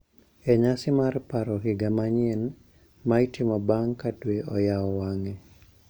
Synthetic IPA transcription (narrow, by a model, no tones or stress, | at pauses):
ɛɲasɪmarpaɾɔɦɪɡamaɲen | maitimɔbaŋkadweʔɔjaɔwaŋe